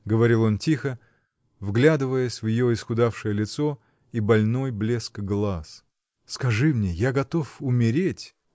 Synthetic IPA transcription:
ɡəvɐɾʲilˠo̞ntʲixə | vɡlʲad̪ɨvəjəsʲvjɪjo̞ɪsxʊd̪afʂɨjəlʲɪt̪so | ibɐlʲno̞jblʲe̞skɡlˠas | skɐʐɨmnʲejaɡɐt̪o̞fʊmʲɪɾʲetʲ

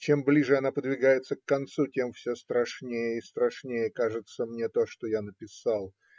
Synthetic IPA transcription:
t͡ɕemblʲiʐɨɐnapəd̪vʲɪɡajɪt̪səkːɐnt̪sutʲe̞mfsʲost̪ɾɐʂnʲejəɪst̪ɾɐʂnʲejəkaʐɨt̪səmnʲet̪o̞ʂt̪ojanəpʲɪsalˠ

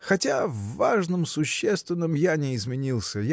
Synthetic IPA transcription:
xɐtʲavːaʐnɨmsʊɕːest̪vʲɪnːəmjanʲɪɪzmʲɪnʲilˠsʲəj

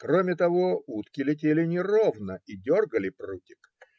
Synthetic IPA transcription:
kromʲɪt̪ɐvo̞ut̪kʲɪlʲɪt̬ʲelʲɪnʲɪrovnəidʲo̞rɡəlʲɪprutʲɪ̥k

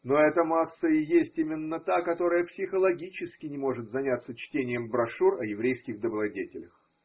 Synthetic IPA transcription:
noɛt̪əmasːəɪjesʲtʲimʲɪnːət̪akɐt̪o̞ɾəjəpsʲɪxəlˠɐɡʲit͡ɕɪskʲɪnʲɪmo̞ʐɨt̪zɐnʲat̪sət͡ɕtʲenʲɪjəmbɾɐʂurɐjɪvɾʲejskʲɪɣd̪əbɾˠɐdʲetʲɪlʲəx

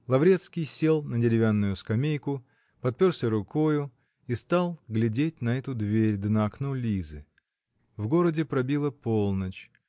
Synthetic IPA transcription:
lˠɐvɾʲe̞t̪skʲɪjsʲe̞lˠnədʲɪɾʲɪvʲanːʊjʊskɐmʲejkʊ | pɐt̪̚pʲorsʲəɾʊko̞jʊ | ist̪alˠɡlʲɪdʲetʲnɐɛt̪ʊd̪vʲeɾʲd̪nɐɐknolʲizɨ̰ | vɡo̞ɾədʲɪpɾɐbʲilˠəpo̞lˠnət͡ɕ

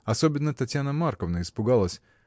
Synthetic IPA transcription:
ɐsobʲɪnːət̪ɐtʲjanəmarkəvnəɪspʊɡalˠəsʲ

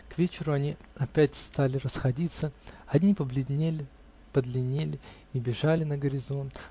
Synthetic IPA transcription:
kvʲet͡ɕɪɾʊɐnʲiɐpʲætʲst̪alʲɪrəsxɐdʲit̪səɐdʲnʲipəblʲɪd̪ʲnʲelʲɪ | pəd̪lʲɪnʲelʲɪ | ibʲɪʐalʲɪnəɡəɾʲɪzo̞nt̪

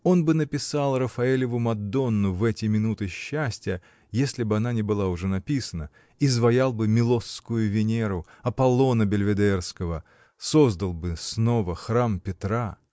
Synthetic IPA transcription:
o̞nbɨnəpʲɪsalˠrəfɐelʲɪvʊmɐd̪o̞nːʊvɛtʲɪmʲɪnut̪ɨɕːæsʲtʲɪjə | jesʲlʲɪbɨɐnanʲɪbɨlˠaʊʐɛnɐpʲisənə | izvɐjalˠbɨmʲɪlˠo̞sːkʊjʊvʲɪnʲeɾʊ | ɐpɐlˠo̞nəbʲɪlʲvʲɪd̪ɛrskəvə | so̞zd̪əlˠbɨsnovəxrampʲɪt̪ɾa

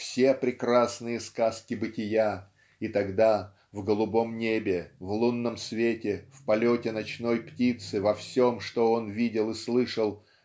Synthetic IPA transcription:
fsʲepɾʲɪkɾasnɨjəskaskʲɪbɨtʲɪja | it̪ɐɡd̪a | vɡəlˠʊbo̞mnʲebʲɪvlˠunːəmsvʲetʲɪfpɐlʲotʲɪnɐt͡ɕno̞jptʲit̪sɨvɐfsʲo̞mʂt̪o̞o̞nvʲidʲɪlˠɨslˠɨʂəlˠ

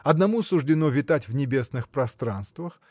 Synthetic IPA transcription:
ɐd̪nɐmusʊʐdʲɪnovʲɪt̪atʲvnʲɪbʲe̞snɨxpɾɐst̪ɾanst̪vəx

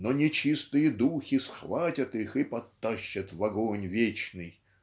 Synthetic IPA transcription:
nɔnʲɪt͡ɕist̪ɨjəd̪uxʲisxvatʲɐt̪ixɨpɐt̪ːaɕːət̪vɐɡonʲvʲet͡ɕnɨj

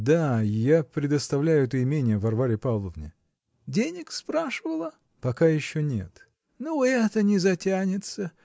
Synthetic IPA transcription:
d̪ajapɾʲɪd̪əst̪ɐvlʲæjʊɛt̪əɪmʲenʲɪjəvɐrvaɾʲɪpavlˠəvnʲɪ̰ | dʲenʲɪkspɾaʂɨvəlˠə | pɐkajɪɕːonʲet̪ | noɛt̪ənʲɪzɐtʲænʲɪt̪sə

